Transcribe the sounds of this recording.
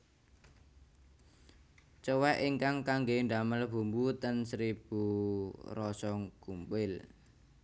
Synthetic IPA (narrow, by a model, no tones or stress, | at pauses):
t͡ʃəwɛʔiŋkaŋkaŋɡeɳɖaməlb̥ṳmbut̪ənsɾib̥ṳrɔsɔŋkumpɪl